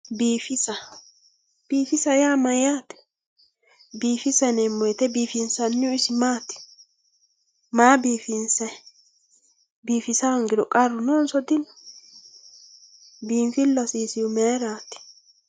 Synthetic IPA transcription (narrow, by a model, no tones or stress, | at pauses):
biːfɪsɐ | b̥iːfɪsɐjaːmɐjaːt̪ɛ̥ | biːfɪsɐnɛmːɔjt̪ɛbiːfɪnsɐnːʊɪsɪmaːt̪ɪ̥ | maːbiːfɪnsɐ | biːfɪsaŋɡɪd̪ɔkʼɐrːʊnoːnsɔd̪ɪnɔ̥ | biːmfɪlːɔsiːsɪʊmeːɾaːt̪ɪ̥